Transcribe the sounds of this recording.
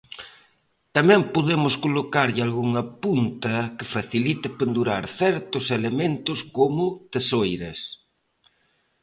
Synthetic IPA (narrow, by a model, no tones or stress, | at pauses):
t̪amɛ̃mpoðemʊskolokaɾʎɪalɣuŋɐpunt̪ɐkɪfaθilit̪ɪpend̪uɾaɾθɛɾt̪ʊselemẽnt̪ʊskomʊt̪esojɾɐs